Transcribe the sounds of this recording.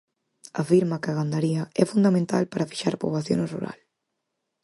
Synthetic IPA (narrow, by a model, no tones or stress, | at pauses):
afiɾmɐkɐɣand̪aɾiɐɛfund̪amẽnt̪alpaɾafi̥ʃaɾpo̰βlaθjo̰nrṵɾa̰l